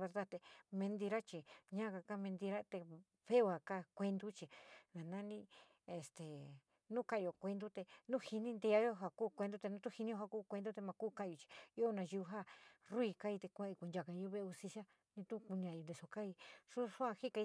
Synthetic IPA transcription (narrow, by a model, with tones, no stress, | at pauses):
βe˧ɾða˦t̪e˧mẽ˧nd̪i˧ɾa˦t͡ʃi˨ɲã˦ka˧ka˦mẽ˧nd̪i˧ɾa˦t̪e˧ | βe˦o˧a˨ka˦kʷe˧nd̪u˦t͡ʃi˨nã˨nã˦nĩ˧ | e˨st̪e˨ | nũ˦kã˧˦˧o˨kʷe˧nd̪u˦t̪e˧nũ˦hi˧nĩ˦nd̪e˧a˦jo˦ɦa˧kuː˦˨kʷe˧nd̪u˦t̪e˧nũ˦t̪u˦hi˧nĩ˦o˧ha˧˨kuː˦kʷe˧nd̪u˦t̪e˧mã˧kuː˦kã˧ʔo˧t͡ʃi̥˧jo˧nã˧ju˧ɦa˦ru˦i˧ka˦i˧t̪e˧kʷã˧i˧ku˧nd͡ʒa˧˨kã˧u˧˦βe˦˧u˧st̪i˧sja˦ | nĩ˧t̪ũ˦ku˧nĩ˧ã˧jo˧nd̪e˧so˧ka˦i˧ʂu˦ʂũ˦ã˧hi˦ka˧